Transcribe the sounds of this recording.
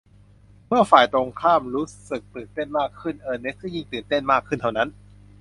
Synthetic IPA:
mɯ˥˩ɐfaː˨˩jt̪o˧ŋkʰaː˥˩mɾuː˦˥sɯ˨˩k̚t̪ɯː˨˩nt̪e˥˩nmaː˥˩kʰːɯ˥˩nʔɤː˧ne˦˥s̚kɯ˥˩ji˧˥˩ŋt̪ɯː˨˩nt̪e˥˩nmaː˥˩kʰːɯ˥˩nt̪ʰa˥˩wna˦˥n

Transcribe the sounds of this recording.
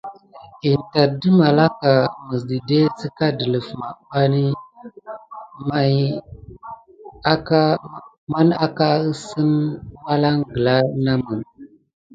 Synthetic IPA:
i˨n˨ta˨di˦ma˨la˦ka˨mə˨s̬di˨de˦si˦ka˦də˨lə˨fma˨ɓa˦ni˦ | ma˦j | ka˦ | ma˦na˦ka˦ə˦sə˦nwa˦la˦ŋɡə˨la˦na˦mə˨n

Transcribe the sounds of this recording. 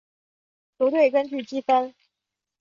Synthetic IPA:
tu˧˥t̪̬we˥˩ɪkə˥nt͡ɕy˥˩t͡ɕi˥fə˥n

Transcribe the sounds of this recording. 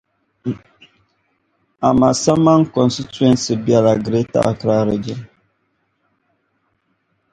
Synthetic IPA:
a˨ma˨sa˦mːa˦ŋ˦kɔ˨nsi˦tu˦ɛ˦nsi˨bi˦a˨la˨ɡɾe˦ta̰˦˨ʔkɾa˦ɾɨ˨d͡ʒɛ˦

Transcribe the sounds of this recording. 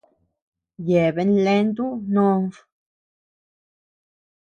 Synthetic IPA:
je˨be˦nle˦nt̪u˦no˦nf

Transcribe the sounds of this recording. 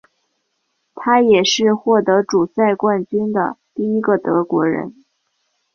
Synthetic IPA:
t̪ʰa˥jɛ˨˩ʂɻ̩˥˧xwɔ˥˩t̪ɤ˧˥ʈ͡ʂu˨˩sa˥˧ɪkwa˥˩nt͡ɕy˥nd̪ə̰˨t̪i˥˩i˥ɡə˧t̪ɤ˧˥kwɔ̰˧˥ɻə̰˧˥n

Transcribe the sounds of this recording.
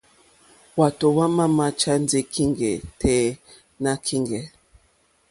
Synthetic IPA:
wa˨to˨wa˦ma˦ma˦t͡ʃa˦n˦d͡zi˦kʰi˦ŋɡɛ̰˨tʰɛ˨˦ | na˦kʰi˦ŋɡɛ˨

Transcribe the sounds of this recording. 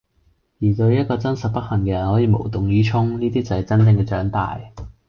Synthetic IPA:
jiː˨˩t̪ɵ˧ɥjɐ˥t̚kːɔː˧t͡sɐ˥nsɐ˨t̚pɐ˥t̚hɐ˨˩ŋkɛː˧jɐ˨˩nhɔː˨˥jiː˨˧mo˨˩wt̪ʊ˨ŋjyː˨˥t͡ʃʰʊ˥ŋniː˥t̪iː˥t͡sɐ˨hɛ˨˩t͡sɐ˥nt͡sɪ˧ŋkɛ˧t͡ʃœː˨˥ŋt̪a̰ː˨j

